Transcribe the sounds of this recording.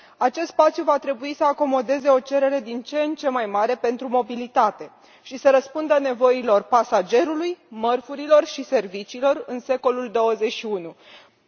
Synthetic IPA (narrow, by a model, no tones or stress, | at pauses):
at͡ʃe̞st̪spat̪sjuvat̪ɾe̞buisəako̞mo̞d̪e̞ze̞o̞t͡ʃe̞ɾe̞ɾe̞d̪int͡ʃent͡ʃe̞majmaɾe̞pe̞nt̪ɾumo̞bilit̪at̪e̞ | ʃisəɾəspund̪əne̞vo̞ilo̞rpasad͡ʒe̞ɾulujmərfuɾilo̞rʃise̞rvit͡ʃiːlo̞rɨnse̞ko̞luld̪o̞wəze̞ʃiunu